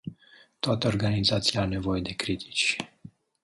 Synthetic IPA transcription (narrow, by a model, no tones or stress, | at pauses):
t̪oat̪əo̞rɡanizat̪sijaawne̞vo̞je̞d̪e̞kɾit̪ʰi̥t͡ʃʲ